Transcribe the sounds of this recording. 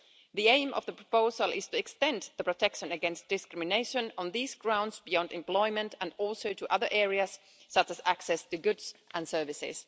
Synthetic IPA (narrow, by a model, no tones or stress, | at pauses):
ðiẽɪ̃mʔʌ̰vðəpʰɹ̥ə̥poʊzəlˠɪz̥tɨɛkstɛ̃nðəpʰɹ̥ətʰɛkʃɨ̃nɨɡɛ̃nst̚d̥ɨskɹɪmɨneɪʃɨ̃nə̃nðizɡɹãʊ̃ndzbijɑ̃ndɨ̃mpl̥ɔɪmɨ̃ntə̃nɔlˠsoʊtəʔʌðə˞ʔɛɹiɨz̥ | sʌt͡ʃɨzæksɛstʰɨɡʊdz̥ʔə̃nsɜ˞vɨsɪ̰z̥